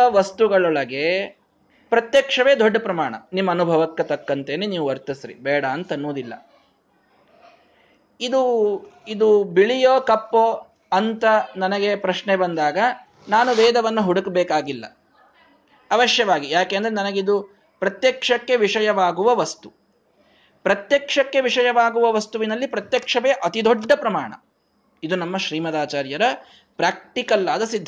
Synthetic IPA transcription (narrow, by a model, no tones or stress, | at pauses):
ɐʋɐst̪uɡɐɭɔɭɐɡeː | pɾɐt̪jɐkʂɐʋe̞ːd̪ɔɖːɐpɾɐmaːɳɐ̰nimːɐːnubʱɐʋɐkːɐt̪ɐkːɐnt̪eːneniːʋuɐɾt̪ɐsɾḭbɛːɽɐːnt̪ɐnːoːd̪ilːɐ̰ | id̪uid̪ubiɭijoːkɐpːo | ɐnt̪ɐnɐnɐɡe̞pɾɐʃnebɐnd̪aːɡɐ | naːnuʋɛːd̪ɐʋɐnːuɦuɽukbɛːkaːɡilːɐ̰ | ɐʋɐʃjɐʋaːɡijaːkeːɐnd̪ɐɾenɐnɐɡeid̪u | pɾɐt̪jɐkʂɐkːe̞ʋiʂɐjɐʋaːɡuʋɐʋɐst̪u | pɾɐt̪jɐkʂɐkːe̞ʋiʂɐjɐʋaːɡuʋɐʋɐst̪uʋinɐlːipɾɐt̪jɐkʂɐʋeːɐʔɐt̪id̪ʱɔɖːɐpɾɐma̰ːɳɐ̰ | id̪unɐmːɐʃɾiːmɐd̪aːt͡ʃaːɾjɐɾɐ | pɾaːk̚ʈikɐlːaːd̪ɐsid̪ʱːɐ